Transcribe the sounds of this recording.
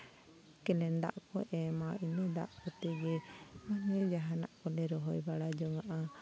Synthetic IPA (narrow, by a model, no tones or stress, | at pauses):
kɛlɛnd̪a̰ʔkɔʔɛmainɛd̪a̰ʔkɔt̪ɛɡɛmanɔjd͡ʒaɦana̰ʔkɔlɛɾɔɦɔjbaɽad͡ʒɔŋaʔa